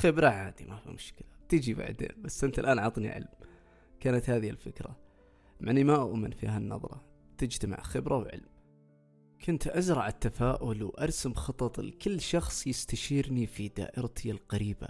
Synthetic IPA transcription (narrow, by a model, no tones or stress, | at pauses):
xɪbɾaʕaːd̪imafḭmʊʃkɪlat̪id͡ʒiba̰ʕd̪ḛːnbasːʔɪnt̪alʔaːnʕɑt̪ˤnḭʕɪ̰lm | kaːnat̪haːðɪhɪlfɪkɾa̰ | maʕnːimaʔʊ̰ʔmɪnfiːɦanːɑ̰ðˤɾˤɑ̰ | t̪ɪd͡ʒt̪ama̰ʕxɪbɾawʕɪ̰lm | kʰʊnt̪ʔazɾˤɑʕat̪ːafaːʔʊlwʔɑɾˤsamxɑt̪ˤɑt̪ˤlkɪlːʃɑxsˤjɪst̪aʃiːɾnifid̪a̰ːʔɪɾt̪ʰɪjalqɑɾiːba̰